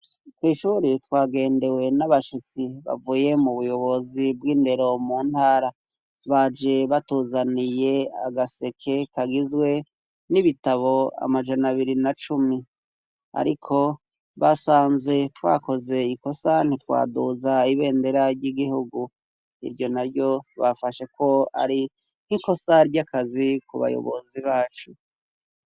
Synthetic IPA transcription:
kwiːʃuːɾitwaːɡe̞ːnde̞we̞naβaʃit͡siβa̰vuje̞muβujo̞βo̞zibɡiːnde̞ɾo̞muːnhaːɾa | βad͡ʒe̞βatuːzanije̞a̰ɡase̞kʰe̞kaɡizwe̞ | niβitaβo̞a̰mad͡ʒanaβiɾinat͡ʃumi | a̰ɾikʰo̞ | βasaːnze̞twa̰ːko̞ze̞iko̞san̥itwa̰ːduzaiβe̞ːnde̞ɾaɾɟiɡihuɡu | ḭɾɟo̞naɾɟo̞βafaʃe̞ko̞a̰ɾi | n̥hiko̞saɾɟakazikuβa̰jo̰βo̞̰ziβaːt͡ʃu

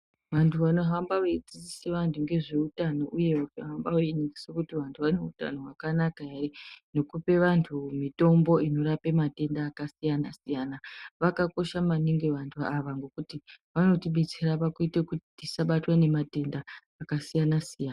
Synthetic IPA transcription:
ʋantʰuʋano̞ɦambaʋeid͡zit͡siseʋantʰuŋɡe̞ʐe̞utano̞ʔuje̞ʋakaɦambaoiniŋɡisokutiʋantʰuʋano̞uta̰no̞wakanakaɦereno̞kupe̞ʋantʰumito̞mbo̞ino̞ɾapemate̞ndaːkasijanasijanaʋakako̞ʃamaniŋɡeʋantʰuaʋaŋɡo̞kutiʋano̞tiɓe̞t͡se̞ɾapakuitekutitisaɓatwane̞mate̞ndaː | kasijanasijaːna

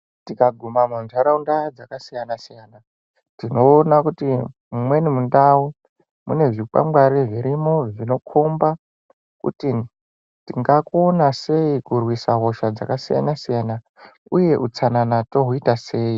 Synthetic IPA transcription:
tikaɡʱumamonzaɾaundad͡zakasijanasijana | tino̞ːnakuti | mumwe̞nimundau | mṵne̞ʐika̰mɡwaɾiʐiɾimoʐino̞kʰumba | kṵti | tiŋɡakonase̞ikurwisaɦo̞ʃad͡za̰kasija̰nasijana | uje̞ʔut͡sananato̞ɦuitase̞ːi

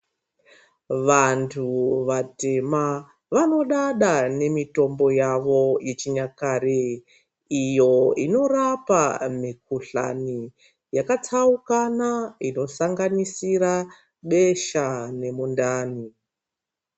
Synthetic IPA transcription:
ʋantʰuʋate̞ma | ʋano̞ɗaɗane̞mito̞mbo̞jaʋo̞je̞t͡ʃiɲakaɾe | ijo̞ino̞rapamik̚uɬa̰ni | jakat͡saukanaino̞saŋɡanisiɾa | ɓe̞ʃane̞mundaːni

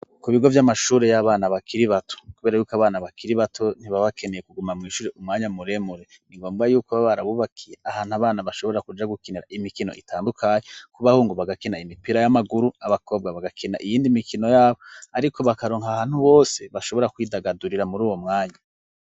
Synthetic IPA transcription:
kuβiɡo̞vjamaʃuːɾejaβaːnaβakʰiɾiβatʰo̥kuβe̞ːɾajuːkaβaːnaβakiɾiβatʰo̞n̥iβaβakʰe̞ne̞jekuɡumamŋiːʃuːɾeʔumŋaːɲamuɾe̞muɾe | niŋɡo̞ːmɡajuːkoβaβaɾaβuβakʰijeahaːn̥haβaːnaβaʃo̞βoɾakud͡ʒaɡukineɾaʔimikino̞̰ʔitʰaːndukʰaɲekuβahuːŋɡoβaɡakinaimipiːɾajamaɡuɾuaβako̞ːb̚ɡaβaɡakʰina̰ʔijiːndimikʰino̞jaːβoaɾikʰo̞βakaɾoːŋhahaːn̥huβo̞ːse̞βaʃo̞βo̞ɾakwiːdaɡaduɾiɾamuɾuːwo̞mŋaːɲa

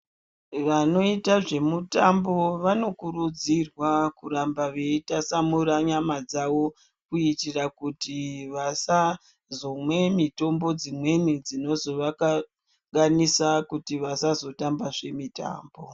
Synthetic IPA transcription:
ʋano̞itaʐe̞mutambo̞ʋano̞kurud͡zirwakurambaʋe̞itasamuɾaɲamad͡zawo̞ | kuitirakutiʋasa | zomwe̞mito̞mbo̞d͡zimwe̞nid͡zino̞zo̞ʋaka | ɡanisakutiʋasazo̞tambaʐe̞mita̰ːmbo̞

